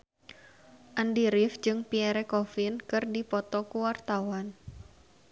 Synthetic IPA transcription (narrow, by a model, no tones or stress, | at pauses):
ʔandiɾɪfd͡ʒɨŋpiɛɾɛkɔfɪnkɨrdipɔt̪ɔkuwart̪awan